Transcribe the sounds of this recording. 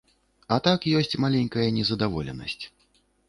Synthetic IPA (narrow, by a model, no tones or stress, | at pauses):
ɐt̪akjɔsʲt͡sʲmalʲɛnʲkɐjɐnʲɛzɐd̪avɔ̰lʲɛ̰nɐ̰sʲt͡sʲ